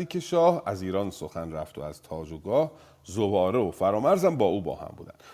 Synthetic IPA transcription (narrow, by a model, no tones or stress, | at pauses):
iːcʰeʃɒːhæziːɾɒːnsoxænræft̪ʰoæzt̪ʰɒːd͡ʒoɡɒːh | zobɒːɾeofæɾɒːmæɾzæmbɒːʔuːbɒ̰ːhæ̰mbṵːd̪æ̰nd̪̥